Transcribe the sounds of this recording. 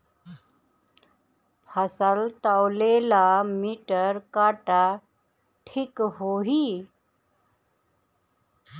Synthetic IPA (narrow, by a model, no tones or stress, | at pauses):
pʰəsəlt̪awlelamiʈəɾkaːʈa | ʈʰikɦoɦi